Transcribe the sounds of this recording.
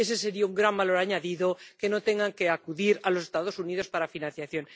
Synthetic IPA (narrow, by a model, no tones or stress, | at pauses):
ese̞se̞ɾiauŋɡɾambalo̞ɾaɲaðiðo̞ke̞no̞t̪e̞ŋɡaŋke̞akuðiɾalo̞se̞st̪að̞o̞sunið̞o̞spaɾafinãnθjaθjo̞n